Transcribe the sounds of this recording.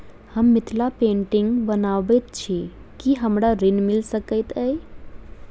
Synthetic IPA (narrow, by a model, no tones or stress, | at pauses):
həmːit̪ʰlapẽɳʈiŋɡbənabət̪t͡ʃʰi | kiɦəmɾaɾinmilsəkəɪt̪əj